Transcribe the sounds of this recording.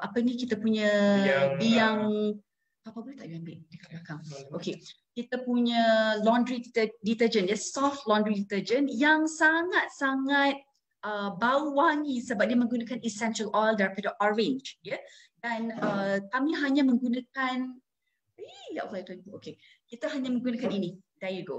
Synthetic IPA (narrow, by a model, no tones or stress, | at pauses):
ʔapanikit̪apuɲabiaŋ | papabulat̪aʔbambɪʔdikaʔlakaŋʔoke | kit̪apuɲalɔ̃ndɾidit̪əd͡ʒənjəsɔft̪lɔ̃ndɾidit̪əd͡ʒənjaŋsaŋat̪̚saŋat̪̚ | əbauwaŋisəbap̚diəmə̃ŋɡunakanisɛnʃəlʔɔjldaɾpadəʔɔvẽɲd͡ʒdjə | danəkamĩɦaɲãmə̃ŋɡunãkan | eja̰ʔflajt̪ant̪uoke | kit̪aɦaɲãmə̃ŋɡunakaninidajəɡo